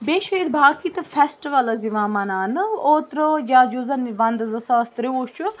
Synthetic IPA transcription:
beːʃid̪bʱaːkit̪ɐfʰesʈiʋɐlɐziʋaːmɐnaːnɨoːt̪ɾəd͡ʒaːd͡ʒuːzɐnʋɐnd̪zɐsast̪ɾioːt͡ʃu

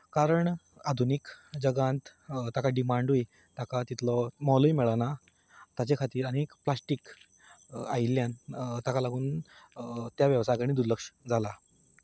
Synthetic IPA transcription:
kaɾəɳ | ad̪ʱunikd͡ʑəɡãnt̪t̪akaɖimaɳɖɦui | t̪akat̪it̪ʰlɔmɔluimɛɭana | t̪at͡ɕekʰat̪iːɾañekplasʈik | a̰ilːjãnt̪akalaɡuːn | t̪jaʋjəʋsajkəɽ̃ĩːd̪uɾləkʂd͡zʱala

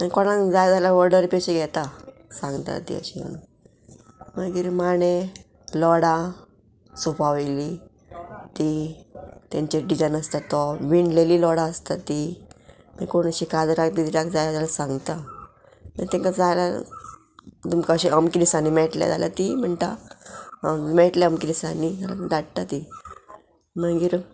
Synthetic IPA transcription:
ankɔɽ̃ãŋd͡zajd͡zalaʋəɾɽəɾpeɕeɡʱɛt̪a | sãŋɡt̪a̰t̪ḭə̰ɕimə̰nu | məɡiːɾmaɽ̃e | lɔɽa | supaʋli | t̪i | t̪ãɲt͡ɕeɖid͡zajnəst̪at̪ɔʋiɳɖlelilɔɽaəst̪at̪i | mḭkoɽɳ̃əɕikad͡zɾakt̪it̪iɾakd͡zajlad͡zalasãŋɡt̪a | mət̪ɛ̃ŋkad͡zajla̰ | d̪umkaɕiəmkidisanimɛʈlja̰d͡za̰la̰t̪im̤əɳt̪a̰ | mɛʈleəmkiɾisanila̰d̪aɽt̪at̪i | məɡiːɾ

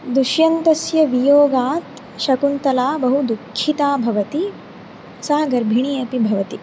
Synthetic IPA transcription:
d̪uʃjɐnt̪ɐsjɐʋijoːɡaːt̪ | ʃɐkunt̪ɐlaːbɐɦud̪ukʰːit̪aːbʱɐʋɐt̪i | saːɡɐɾbʱiɳijɐpibʱɐʋɐt̪i

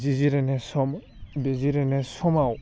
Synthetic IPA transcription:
ziziɾɛnesɔm | beziɾenesɔmaw

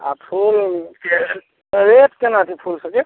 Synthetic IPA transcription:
a̰pʰulke | ɾet̪kenat̪ʰipʰulsəke

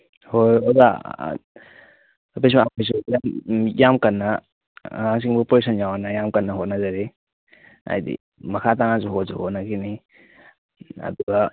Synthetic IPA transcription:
hojoza̰ | pes̬maapis̬ujamjamkɐnːɐ | haŋs̬iŋbupoɾisʰɐnjawanajamkɐnːɐɦot̚nɐzaɾi | a̰jdḭ | mɐkʰataŋazuɦotzuhot̚nakini | ɐ̰duɡɐ

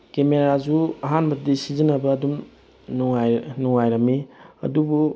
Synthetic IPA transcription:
kemeɾazuɐɦanbɐɾdisizinɐbɐːdum | nuŋajnuŋajɾɐmiɐ̰dubu

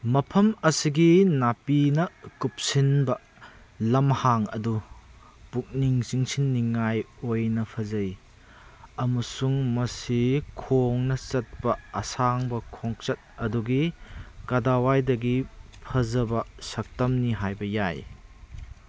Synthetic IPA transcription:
mɐpʰɐmɐsiɡinapinɐkup̚sinbɐ | lɐmhaŋɐ̰du | puk̚niŋsiŋsinːiŋajojnɐpʰɐzɐj | ɐmɐsuŋmɐsikʰoŋnɐt͡ʃɐt̚pɐɐsaŋbɐkʰoŋt͡ʃɐt̚ɐduɡikadawajdɐɡipʰɐzɐbɐsɐk̚tɐmniɦajbɐjaj

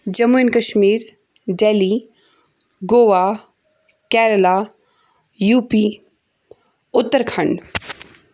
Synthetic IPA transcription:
d͡ʒɐmuinkɐʃmiːɾ | ɖeːli | ɡoːʋa | kɛːɾəlaː | juːpiː | ʊt̪ːəɾkʰɐɳɖ

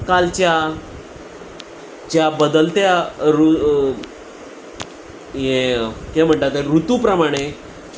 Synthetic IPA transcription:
kalt͡ɕja | t͡ɕjabəd̪əlt̪jaɾu | ɦẽkem̤əɳt̪at̪eɾut̪upɾəmaɽ̃e

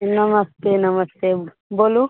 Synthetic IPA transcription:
nɐmɐst̪eːnɐmɐst̪eː | boːlu

